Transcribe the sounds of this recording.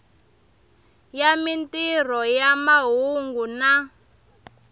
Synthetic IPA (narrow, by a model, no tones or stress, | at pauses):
jamintir̤ɔjamaɦuŋɡuna